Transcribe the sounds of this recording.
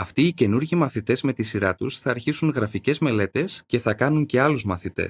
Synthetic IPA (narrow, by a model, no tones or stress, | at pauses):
ɐft̪iːce̞nuɾʝimɐθit̪e̞zme̞t̪isiɾɐt̪usθɐːɾçisuŋɣɾɐfice̞zme̞le̞t̪e̞sce̞θɐkɐnuɲce̞ɐluzmɐθit̪ḛs